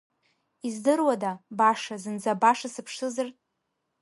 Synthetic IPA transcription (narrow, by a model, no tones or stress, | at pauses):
izdɨrwadabaʂazɨnd͡zabaʂasɨpʰʂɨzartʼ